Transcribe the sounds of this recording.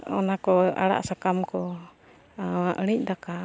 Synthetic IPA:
ɔ̰nakɔa̰ɽa̰ʔsakamkɔ | aʔənic̚ˀdaka

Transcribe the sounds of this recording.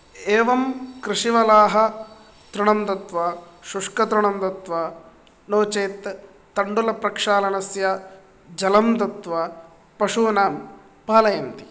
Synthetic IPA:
eːʋɐmkɾɪʂiʋɐlaːɦɐ̆ | t̪ɾuɳɐmt̪ɐt̪ʋaːʃuʂkɐt̪ɾuɳɐmt̪ɐt̪ʋaː | noːt͡ʃeːt̪ː | ɐɳɖulɐpɾɐkʂaːlɐnɐsja | d͡ʒɐlɐmt̪ɐt̪ʋaː | pɐʂuːnaːm | paːlɐjɐnt̪i̥

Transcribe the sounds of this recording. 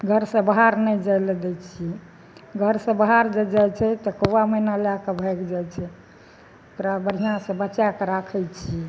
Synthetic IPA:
ɡʱəɾsə̃baɦaɾnɛjd͡ʒajled̪ɛt͡ʃʰiɛ | ɡʱəɾsə̃baɦaɾd͡ʒed͡ʒajt͡ʃʰɛt̪ɔkowaməinalakebʱɛkd͡ʒajt͡ʃʰɛ | okɾabəɾ̤ijãsə̃bət͡ʃakeɾakʰɛjt͡ʃʰiɛ

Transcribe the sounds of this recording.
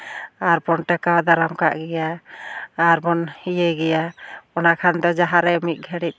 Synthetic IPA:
aɾbɔnʈakad̪aɾamka̰ʔɡɛjaː | ɾbɔnhijeɡɛjaɔnakʰand̪ɔd͡ʒaɦaɾɛmit̪̚ˀɡʱɛɽit̪̚

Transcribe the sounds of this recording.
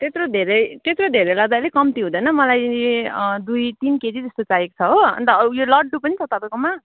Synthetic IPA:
t̪et̪rod̪ʱeɾʌjt̪et̪rod̪ʱeɾejlʌɡd̪alekʌmt̪iɦũd̪ʌjnʌmʌlaj | d̪ujt̪inked͡zid͡zʌst̪ot͡sajekt͡sʰʌɦoʌ̰nt̪ʌjolʌɖɖupʌnit͡sʰʌt̪ʌpajkoma

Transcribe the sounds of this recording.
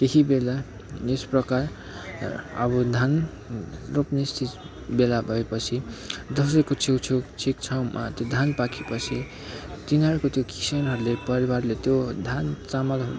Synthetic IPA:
t̪ekʰibela | esprʌkar | ʌ̰bʌd̪ʱan | ropnest̪ʰi | belabʱʌepʌt͡sʰid̪ʌsʌjkot͡sʰewt͡sʰet͡sʰik̚t͡sʰawmʔa̰t̪jod̪ʱanpakʰepʌt͡sʰi | t̪inʌɾukot̪jokʰi̥senɦʌɾulepʌɾibarlet̪jod̪ʱant͡samʌlʱ

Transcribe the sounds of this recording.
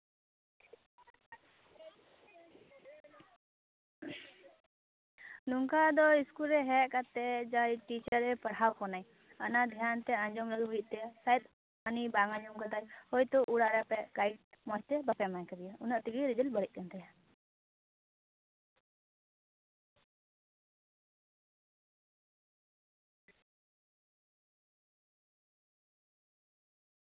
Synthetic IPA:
nuŋkad̪ɔiskulɾɛɦɛʔkat̪ːɛd͡ʒajiʈit͡ʃəɾɛpəɽɦawkɔnaj | anad̪ʱjant̪ɛaɲd͡ʒɔmɾəɡɦujiʔ̚t̪ɛsajt̪ | anibaŋãɲd͡ʒɔmkat̪ajhɔjt̪ɔʔuɽaʔɾɛpɛɡaiʈmɔst̪ɛbapɛmajkəd̪ijaunaʔt̪iɡiɾid͡ʒəlbəɽɛc̚ˀkant̪aja

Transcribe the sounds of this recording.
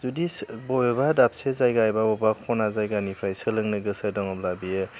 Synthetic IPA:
zudisbɔjɔbadap̚sezajɡajbabɔbakʰɔnazajɡanipʰɾajsɯlɯŋnɯɡɯsɯdɔŋɔplabijɯ

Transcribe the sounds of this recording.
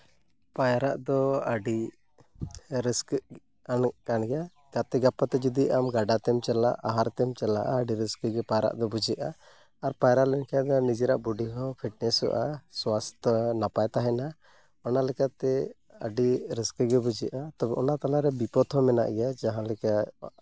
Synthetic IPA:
pajɾaʔd̪ɔaɖi | ɾisk | ankanɡɛja | ɡat̪ɛɡapat̪ɛd͡ʒɔd̪iʔamɡaɖat̪ɛmt͡ʃɛlaʔaɦaɾt̪ɛmt͡ʃɛla̰ʔaːɖiɾiskəɡɛpajɾa̰ʔd̪ɔbud͡ʒɛʔʔaː | ɾpajɾalɛnkʰad̪ɔnid͡ʒiɾaʔbuɖiɦɔpʰiʈ̚nɛsṵʔaswast̪ʰnapajt̪aɦɛna | ɔnalɛkat̪ɛ | ə̰ɖiɾiskɡɛbud͡ʒɛʔat̪ɔbɛʔɔnat̪alaɾɛbipɔt̪ʰɔmɛna̰ʔɡɛjad͡ʒaɦãlɛka

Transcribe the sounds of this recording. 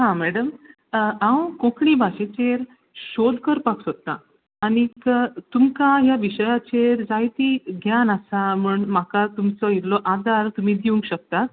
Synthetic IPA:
ɦãmɛɽəm | ãwkõkɳibʱaɕet͡ɕeɾ | ɕod̪kəɾpaksot̪ːã̰ː | ñikt̪umkaɦjaʋiɕəjat͡ɕeɾd͡zajt̪iːɡʱjanasam̤uɳmakat̪umt͡sɔiɾlɔʔad̪ʱaɾt̪um̤iːd̪iʋuŋkɕək̚t̪at̪̚

